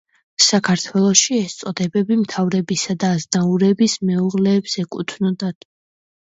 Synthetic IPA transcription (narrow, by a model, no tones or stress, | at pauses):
sakʰaɾt̪ʰwɛlˠɔʃiɛst̪sʼɔd̪ɛbɛbimt̪ʰavɾɛbisad̪aːzd̪auɾɛbismɛuʁlɛːbz̥ɛkʼut̪ʰnɔd̪at̪ʼ